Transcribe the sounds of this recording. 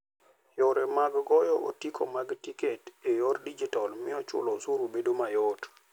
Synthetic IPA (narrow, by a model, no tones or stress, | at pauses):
jɔɾɛmaɡɡɔjɔʔo̰tikʰomaɡtiketejoɾdid͡ʒitɔlmɪɔt͡ʃʊ̰lɔsuɾubedomajɔt